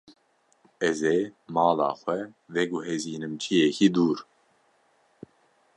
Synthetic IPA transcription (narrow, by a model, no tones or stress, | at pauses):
ɛzeːmɑːlɑ̰ːxʷɛvɛɡuɦeziːnɨmt͡ʃʰijɛkʰiːd̪uːɾ